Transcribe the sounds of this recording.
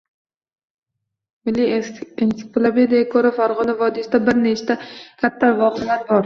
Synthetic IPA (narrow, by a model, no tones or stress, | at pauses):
mɪlːiinsɪ̥plˠaped̪aɡʲakʰɵɾafaɾʁɒnavɒd̪ɪsd̪abɪɾnet͡ʃʰt̪ʰakʲʰat̪ʰːavɒqelaɾbɒɾ